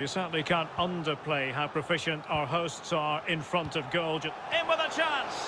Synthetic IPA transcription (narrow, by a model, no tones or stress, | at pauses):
jəsɜ˞dn̩likʰãnʌ̃ndə˞pʰl̥eɪɦaʊpʰɹ̥ɨfɪʃɨ̃ntaʊə˞ɦoʊstsə˞ɪ̃nfɹʌ̃ntʌvɡoʊlˠd͡ʒ̃ | ɪ̃nwɪðət͡ʃʰãns